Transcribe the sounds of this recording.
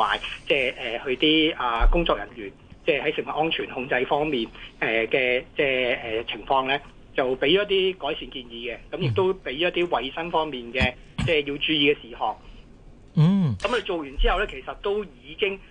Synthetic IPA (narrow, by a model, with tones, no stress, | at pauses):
aː˨jt͡sɛː˥˩ʔɛː˨˩hɵ˧t̪iː˥ʔaː˨kʊ˥ŋt͡sɔː˧k̚jɐ̰˨˩nɥyː˨˩nt͡sɛː˥˩hɐ˨˥jsɪ˨˩ŋwɐ˨t̚ʔɔː˥nt͡ʃʰyː˨˩nhʊ˧ŋt͡sɐ˧jfɔː˥ŋmiː˨nʔɛː˨kɛː˧t͡sɛː˥˩ɛː˨t͡sʰɪ˨˩ŋfɔː˧ŋlɛː˥ | t͡sɐ˨wpe˨˥jɔː˨˦˥t̪̬iː˥kɔː˨˥jsiː˨˩nkiː˧njiː˨˧kɛ˧kɐ˨˧˥mjɪ˨k̚t̪o˥wpe˨˥jɔ˨˥t̪̚iː˥wɐ˨jsɐ˥nfɔː˥ŋmiː˨nkɛː˧ | t͡sɛː˥˧jiː˧wt͡ʃyː˧jiː˨˧kɛː˧siː˨˩hɔː˨k̩̚˥ | kɐ˨˥mɵ˧jt͡ʃo˨wjyː˨˩nt͡siː˥hɐ˨wlɛː˥kʰe˨˩jsɐ˨t̚t̪o˥wjiː˨˧kɪ˥ŋ